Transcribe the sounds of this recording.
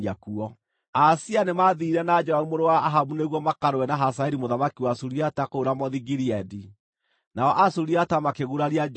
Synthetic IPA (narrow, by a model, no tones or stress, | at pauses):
akuɔ | asianemaðiɾɛnad͡ʒɛaumoɾowaːɦaβuneɣwɔmakaɾowɛnaɦasaɛɾimoðamakiwasuɾiatakoːɾamɔðiɡiɾiɛdi | naɔʔasuɾiatamakeɣuɾaɾjad͡ʒ